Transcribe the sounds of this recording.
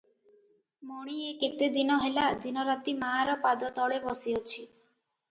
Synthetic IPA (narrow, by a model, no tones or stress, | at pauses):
mɔɽ̃ieket̪ed̪inɔɦelad̪ʱinɔɾat̪imaɦaɾɔpad̪ɔt̪ɔɭebɔsiɔt͡ʃʰi